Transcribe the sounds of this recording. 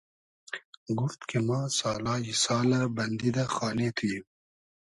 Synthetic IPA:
ɡʊft̪kʰemãːsaːlaːjisaːlabɐnd̪id̪axaːlet̪ʰuji

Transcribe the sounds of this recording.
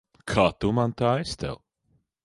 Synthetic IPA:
kʰaːt̪umant̪aːɛst̪ɛ̰lˠ

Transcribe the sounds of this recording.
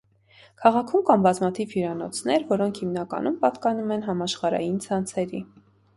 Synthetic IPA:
kʰɑʁɑkʰumkɑmbɑzmɑt̪ʰivjuɾɑnɔ̰t͡sʰnɛɾvɔɾɔŋkʰhimnɑkɑ̰numpɑt̪kɑnumɛnɦɑmɑʃχɑɾɑ̰jint͡sʰɑnt͡sʰɛɾi

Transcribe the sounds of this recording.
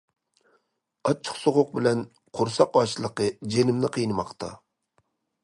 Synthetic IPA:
ɑt͡ʃʰːə̥qsoʁʊq̚bɪlɛn | qʰʊɾsɑqɑʃlˠəqəd͡ʒenɪmnɪqʰijnɨmɑqt̪ʰɑ̰

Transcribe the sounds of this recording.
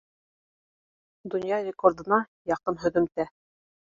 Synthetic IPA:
d̪ŏnjɑrʲɪkord̪ɤ̆nɑ | jɑqɤmɦɵ̆ðɵ̆mt̪æ

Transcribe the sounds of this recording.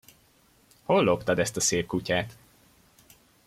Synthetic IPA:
ho̞lːopt̪ɒd̪ɛst̪ɒseːp̚kucaːt̪

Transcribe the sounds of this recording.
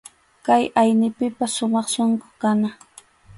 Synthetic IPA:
kajajnɪpɪpasʃʊmɑχʃoŋkokana

